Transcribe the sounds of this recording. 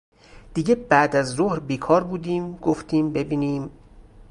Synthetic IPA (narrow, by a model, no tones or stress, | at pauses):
d̪̥iːɟebæd̪æzɾohɾbiːkʰɒːɾbuːd̪iːmɡoft̪ʰiːmbe̞biːniːm